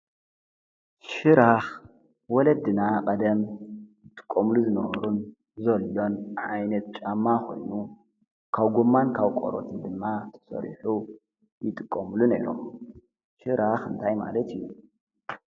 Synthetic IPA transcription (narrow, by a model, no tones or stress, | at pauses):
ʃɨɾax | wɔlɐd̪ɨnakʼɐd̪ɐmjɨt̪ʼɨ̥kʼːɐmluzɨnɐβɐɾun | zɐlːo̞nʕajnɐt̪̚t͡ʃʼamːakʰo̞̰jnu | kʰaβɡomːankʰaβkʼo̰ɾo̰t̪ʰɨnd̪ɨmːat̪ʰɐ̥sɐ̰ɾħu | jɪt̪ʼɨkʼːɐmlune̞̰ɾo̰m | ʃɨɾaxɨ̰nt̪ʰajma̰lɐt̪ijːu